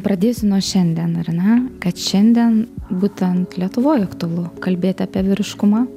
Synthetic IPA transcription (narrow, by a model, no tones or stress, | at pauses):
pɾɐd̪ʲeːsʲɪnuɔʃʲɛnʲd̪ʲiɛnɐrnʲɛkɐt̪ʃʲɛnʲd̪ʲiɛnbuːt̪ʲɛnt̪lʲiɛt̪ʊʋoːjɐkt̪ʊɐlˠʊkɐlʲbʲeːt̪ʲɑːpʲiɛʋʲɪɾʲɪʃkʊmɑː